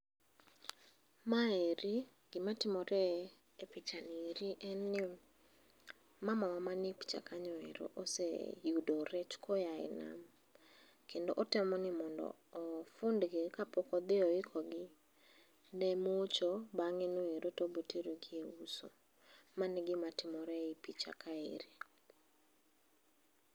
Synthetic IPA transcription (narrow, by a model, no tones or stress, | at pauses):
maeɾi | ɡ̥ɪmatɪmɔɾɛ | epit͡ʃaniɾiʔɛnɪ | mamawamanɪpi̥t͡ʃa̰kaɲɔɛ̰ɾɔ̰ʔosḛjudɔɾɛt͡ʃkʰɔjaɛ̰na̰m | kendoʔotɛmɔnɪmɔndɔ̰ːfʊndɡekapokɔd̪ɪɔɪkʰɔɡɪ | ndɛmot͡ʃɔbaŋenoeɾotobotiɾoɡieuso̰ | manɪɡɪmatɪmɔɾɛipit͡ʃa̰kʰaḛɾe